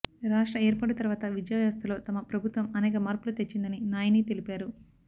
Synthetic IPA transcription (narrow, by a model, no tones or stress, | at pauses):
ɾaːʂʈɾɐeːɾpɐɽɐt̪ɐɾʋaːt̪ɐʋid͡ʒjajaːst̪ɐlo̞ːt̪ɐmɐpɾɐbʱut̪ʋɐmɐnɛːkɐmaːɾpulut̪e̞t͡ʃːind̪ɐninaːjɐniːt̪e̞lipaːɾu